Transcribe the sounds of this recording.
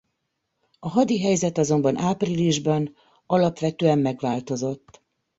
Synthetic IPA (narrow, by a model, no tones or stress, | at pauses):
ɒɦɒd̪iɦɛjzɛt̪ɒzo̞mbɒnʔaːpriliʒbɒn | ɒlɒpʋɛt̪øːɛmːɛɡʋaːlt̪o̞zo̞t̪ː